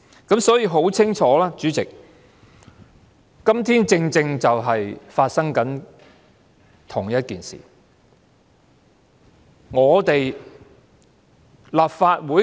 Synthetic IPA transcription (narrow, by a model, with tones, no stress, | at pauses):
kɐ˨˥msɔː˨˥jiː˧ɦo˨˥wt͡sʰɪ˥ŋt͡ʃʰɔː˨˥laː˥t͡ʃyː˨˥t͡sɪ˨k̚ | kɐ˥mt̪ʰiː˥nt͡sɪ˧ŋt͡sɪ˧ŋt͡sɐ˨wɦɐ˨jfaː˧t̚sɐ˥ŋkɐ˨˥n | t̪ʰʊ˨˩ŋjɐ˥t̚kiː˨nsḭː˨˩ | ŋɔː˨˧t̪e˨j | laː˨p̚faː˧t̚wuː˨˥